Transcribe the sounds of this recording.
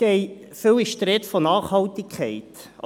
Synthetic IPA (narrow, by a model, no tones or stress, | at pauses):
ɡ̥ɛɪ | fʏwiʃtɾɪt̪fonɑːχhɑltɪkʰχɛɪt